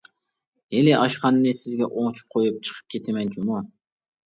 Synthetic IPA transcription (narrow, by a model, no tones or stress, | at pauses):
elɪʔɑʃqɑnnɨsɪzɡʲɛʔoŋt͡ʃʰu̥p̚qʰojup̚t͡ʃʰɨ̥qʰə̥p̚kʲʰet̪ʰɪmɛnt͡ʃʰumu